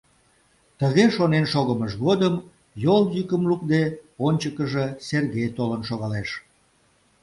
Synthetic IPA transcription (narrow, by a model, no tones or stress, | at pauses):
t̪əɣeʃonenʃoɣəməʃɣod̪əm | joljykəmluk̚d̪eonʲt͡ɕəkəʒəserɣejt̪olənʃoɣɑleʃ